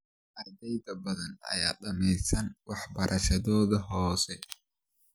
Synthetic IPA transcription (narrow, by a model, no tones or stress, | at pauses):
ʔɐd̪ɛjd̪ɐbɐðɐnɐ̰ja̰ːɗɐmɛjsɐnwɑħbɐɾʔɐʃɐðɔːðɐɦɔːsɛ